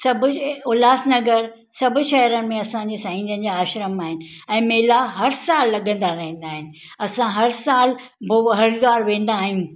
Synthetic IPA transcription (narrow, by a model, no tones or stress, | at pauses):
sɐbʱʊʊlaːsnɐɡəɾ | sɐbʱʊ̆ʃɐɦɾənɪ̆mẽɐsãɲd͡ʑeːsɐ̃ɦĩːd͡ʑənɪ̆d͡ʑaaːʃɾəmaːɦɪnɪ̆ | ɛ̃ːmeːlaɦɐɾsaːlːɐɠə̃nd̪aɾɐɦĩn̆d̪aːɦɪnɪ̆ | ɐsãɦɐɾsaːl | boɦɐɾɡaːɾʋẽːn̆d̪aːɦijũ